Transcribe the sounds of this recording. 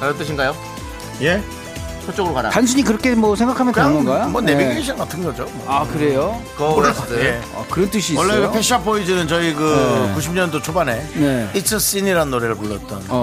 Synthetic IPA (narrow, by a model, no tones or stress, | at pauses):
aɾʌt͈ɯɕʰiŋɡajo | je̞ | t͡ɕʰʌt͡ɕ͈ʌɡɯɾokaɾa̰tans̬ʰuɲikɯɾʌkʰemwʌsʰeŋɡakʰamjʌnpanɡʌnɡajomwʌneiɡeiɕʰinɡkatʰɯnɡʌd͡ʑomʌakɯɾe̞jokʌkɯɾssea̰kɯɾʌnt͈ɯɕʰiːwʌɭːepʰeɕ͈ʰiapoid͡ʑinɯnt͡ɕʌikɯkuɕʰimɲʌndot͡ɕʰobane̞neit͡ɕʰɯs͈iniɾaɯnːoɾeɾɯɭpoɭːʌt͈ʌn